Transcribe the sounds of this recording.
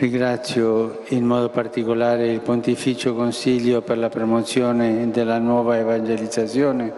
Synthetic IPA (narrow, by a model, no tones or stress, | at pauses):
riŋɡɾat̪sːjo | inmɔːd̪opart̪ikolaːɾeilpont̪ifit͡ʃokonsiʎjoperlapɾomot̪sjoːned̪elːanwɔːvaevand͡ʒelid̪zat̪sjoːne